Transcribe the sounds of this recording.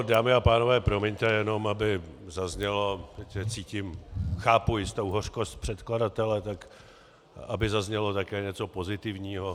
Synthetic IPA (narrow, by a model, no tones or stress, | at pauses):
daːmɪapaːno̞vɛːpɾo̞miɲt̪ɛjɛno̞mabɪzazɲɛlot̪ɛcɛt͡siːcɪmxaːpujɪst̪o̞wɦor̝̥kost̪̚pr̥ɛt̪kladat̪ɛlɛt̪ak | ʔa̰bɪzazɲɛlo̞t̪akɛːɲɛt͡so̞po̞zɪt̪ɪvɲiːɦo